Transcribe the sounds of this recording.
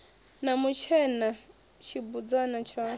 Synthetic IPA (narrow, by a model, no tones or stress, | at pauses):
namut͡ʃʰɛna | t͡ʃʰibud͡zanat͡ʃʰa